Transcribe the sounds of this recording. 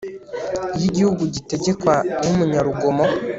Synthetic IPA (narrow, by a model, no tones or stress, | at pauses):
jiɟihuɡuɟite̞ɟe̞kwanumuɲaɾuɡomo